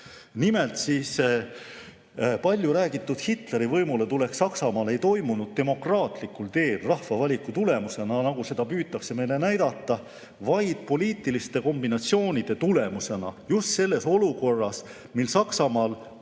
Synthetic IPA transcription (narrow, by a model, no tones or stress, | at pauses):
nime̞lt̪siːs | pɑlʲjuɾæːɡit̪ːˑud̪̥hit̪le̞ɾivɤjmule̞t̪ule̞ksɑksɑmɑːle̞jt̪o̞jmunud̪̥̚t̪e̞mo̞krɑːt̪likːˑult̪e̞ːlrɑhvɑvɑlʲikːˑut̪ule̞muse̞nɑnɑɡ̥use̞d̪ɑpyːt̪ːˑɑkse̞me̞jle̞næjd̪̥ɑt̪ːˑɑ | vɑjd̪̥̚po̞lʲiːt̪ːˑilist̪e̞ko̞mbinɑtsio̞ːnid̪̥e̞t̪ule̞muse̞nɑ̰just̪se̞lːe̞so̞luko̞rːɑs | milsɑksɑmɑːl